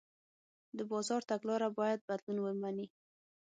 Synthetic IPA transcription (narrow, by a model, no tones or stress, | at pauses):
d̪əbɑzɑɾt̪aɡlɑɾabɑjad̪̚bad̪lunwəmani